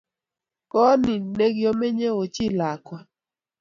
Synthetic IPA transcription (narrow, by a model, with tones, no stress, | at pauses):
kɔ˦nɪ˨ne˦ɡjɔ˦me˦ɲe˦o˨t͡ʃɪ˦la˨kwa˦